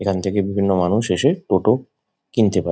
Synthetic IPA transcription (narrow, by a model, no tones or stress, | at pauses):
ekʰant̪ʰekebibʱinːomanuʃeʃeʈoʈo | kint̪epae